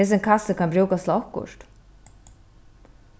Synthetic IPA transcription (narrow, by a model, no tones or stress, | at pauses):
ɛs̬ɛŋkʰasəkʰanmbɾuːkast̪laɔhkʊ̰ʂt̪